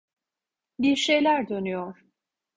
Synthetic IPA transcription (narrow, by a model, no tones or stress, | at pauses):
biɾʃe̞jlʲæɾd̪ø̞nyjɔɾ̥